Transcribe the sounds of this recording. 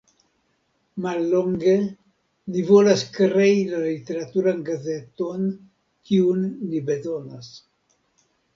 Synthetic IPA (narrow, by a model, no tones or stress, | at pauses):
malːo̞ŋɡe | livo̞laskɾe̞ilalit̪e̞ɾat̪uɾanɡaze̞t̪o̞n | kiunlibe̞zo̞nas